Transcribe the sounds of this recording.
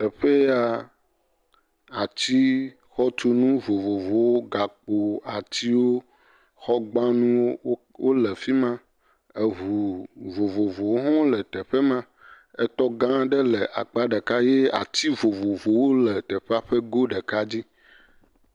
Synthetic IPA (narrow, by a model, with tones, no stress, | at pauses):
t̪ɛ˨ɸe˦a˨ | a˨t͡ɕi˦ | xɔ˦t̪u˦nũ˦vo˨vo˨vo˨wo˦ɡa˨k͡po˨a˨t͡ɕi˦wo˦ | xɔ˦ɡ͡bã˦nũ˦wo˦ | wo˦lɛ˨fi˦mã˦ | e˨ɦu˨vo˨vo˨vo˨wo˦ɦɔ̃˦lɛ˨t̪ɛ˨ɸɛ˦mã˦ | ɛ˦t̪ɔ˦ɡã˦ɖe˦lɛ˨ʔa˨k͡pa˦ɖe˨ka˦je˦a̰˨t͡ɕi˦vo˨vo˨vo˨wo˦lɛ˨t̪ɛ˨ɸe˦a˨ɸe˦ɡo˦ɖe˨ka˦d͡ʑi˦